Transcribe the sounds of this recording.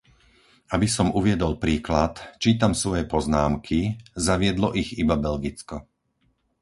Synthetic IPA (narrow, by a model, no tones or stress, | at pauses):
abisɔmuʋɪɛd̪ɔlpɾiːklat̪t͡ʃiːt̪amsʋɔjɛpɔznaːmkʰizaʋɪɛd̪lɔʔiɣibabɛlɡit͡skɔ